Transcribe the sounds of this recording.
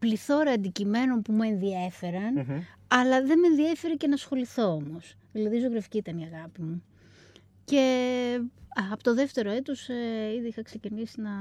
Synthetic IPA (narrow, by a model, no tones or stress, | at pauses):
pliθo̞ɾɐːnd̪icimeno̞npumue̞nðiefe̞ɾɐn | ɐlɐðe̞me̞nðiefe̞ɾece̞nɐsxo̞liθo̞omo̞sðilɐðizoɣɾefi̥ciːt̪ɐniɐɣɐpimu | ce̞ | ɐpot̪oðe̞ft̪e̞ɾoet̪o̞seiðiixɐkse̞cinisinɐ